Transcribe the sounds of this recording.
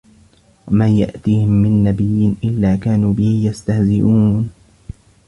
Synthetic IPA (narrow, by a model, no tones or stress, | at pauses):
wamaːja̰ʔt̪iːhɪmːɪnːabɪjːɪnʔɪlːaːkaːnuːbɪhɪjast̪ahzɪʔuːn